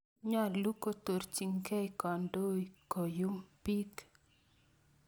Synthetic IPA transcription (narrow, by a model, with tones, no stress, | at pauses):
ɲɔ˦˨lu˦ko˦t̪o˨ɾt͡ʃi˨ŋke˦jkɔ˨ndo˦ko˨ju˦mpi˦k